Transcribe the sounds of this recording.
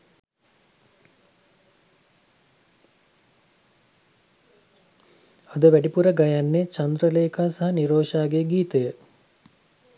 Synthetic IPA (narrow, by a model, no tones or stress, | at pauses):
ad̪əʋæɖipuɾəɡajanːet͡ʃɐnd̪ɾəleːkaːsaɦaniɾoːʃaːɡeɡiːt̪əjə